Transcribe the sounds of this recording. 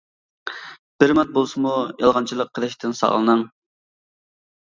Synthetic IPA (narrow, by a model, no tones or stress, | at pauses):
b̥ɪɾmɛt̪̚bolˠsɨmujɑlˠʁɑnt͡ʃʰilˠəqʰːəlˠɪʃt̪ʰɪnsɑ̰ʁlˠɨnɨŋ